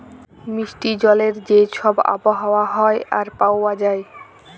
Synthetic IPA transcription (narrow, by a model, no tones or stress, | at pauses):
miʃʈid͡ʑɔleɾd͡ʑeʃʰɔba̰poɦaoaɦɔeaɾpawad͡ʑae